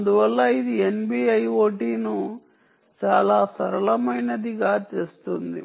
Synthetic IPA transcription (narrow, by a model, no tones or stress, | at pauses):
ɐnd̪uʋɐlːɐid̪ienbiːɐjo̞ːʈiːnu | t͡ʃaːlaːsɐɾɐlɐmɐjnɐd̪iɡaːt͡ʃe̞ːst̪und̪ḭ